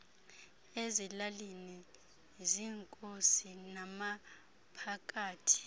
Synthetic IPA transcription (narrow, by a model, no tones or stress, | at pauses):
ezilalini | ziːŋkʼosinama | pʰakʼaːtʰi̥